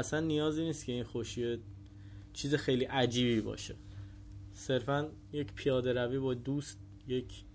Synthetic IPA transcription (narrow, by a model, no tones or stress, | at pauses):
æsænːijɒːziːniːst̪cʰe̞inxoʃie | t͡ʃʰiːzexe̞jliːʔæd͡ʒiːbiːbɒ̰ːʃe̞ | se̞ɾfæn | jecpʰijɒːd̪e̞ɾæviːbɒːd̪uːst̪̚ | je̞cʰ